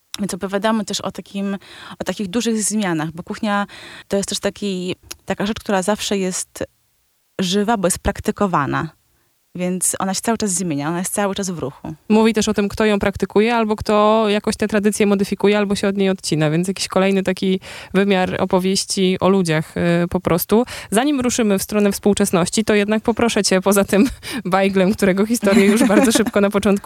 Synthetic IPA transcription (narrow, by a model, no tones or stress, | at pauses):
vʲjɛnsɔpɔvʲjad̪amɘt̪ɛʂɔ̰t̪akʲimɔt̪akʲiɣd̪uʐɘɣzmʲjanaɣbɔkuxɲat̪ɔjɛst̪ɛʂt̪akʲit̪akaʐɛt͡ʂkt̪uɾazafʂɛjɛst̪ | ʐɘvabɔjɛst̪̚pɾakt̪ɘkɔvana̰ | vʲjɛnt̪sʔɔ̰naɕɛt̪sawɘt͡ʂazzmʲjeɲaɔnajest̪sawɘt͡ʂazvɾuxṵmuvʲit̪ɛʂɔt̪ɘmkt̪ɔjɔ̃w̃pɾakt̪ɘkujɛalbɔkt̪ɔjakɔ̃ɕt̪ɛt̪ɾad̪ɘt̪sʲjɛmɔd̪ɘfʲikujɛalbɔɕɛɔd̪ɲejɔt̪t͡ɕinavʲjɛnsjakʲi̥ɕkɔlɛjnɘt̪akʲivɘmʲjaɾɔ̰pɔvʲjeɕt͡ɕiʔɔlud͡ʑaxpɔpɾʔɔst̪uzaɲimɾuʂɘmɘfst̪ɾɔnɛfspuwt͡ʂɛsnɔɕt͡ɕit̪ɔjɛd̪nak̚pɔpɾɔʂɛt͡ɕɛpɔzat̪ɘmbajɡlɛmkt̪uɾɛɡɔxʲist̪ɔɾjɛjuʐbaɾd̪ɔʂɘp̚kɔnapɔt͡ʂɔnt̪̚ku